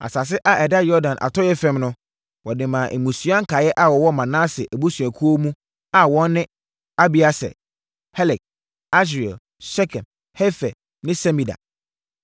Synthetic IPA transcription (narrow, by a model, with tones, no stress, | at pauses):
a̰˨sa˨s̬ɪ˦ʔa˦ʔɛ˨da˦jɔ˦dã˨nʔa̰˨tʰɔ˦jɛ˦fɛ̃˦mnʊ̃˦ | wɔ˨dɪ̃˨mã˨ʔe˨mũ˨sɥa˦ŋ̩˦kʰa˨jɛ˦ʔa˦wɔ˨wɔ˦mã˨nãː˦sɪ˨ʔæ˨bu˦su˨æ˨kʰu˦o˦mũ˦ | a˨wɔ̃˦nː˦ɪ̃˦ | a˦bi˨a˨sɛ̰˨ | hɛ˦lɛ˨k̚ | a˦s̬i˨ɛ̰˨ | sɛ˦kʰɛ̃˨n | hɛ˦fɛ˨ | nɪ̃˦sɛ˦mĩ˨da̰˨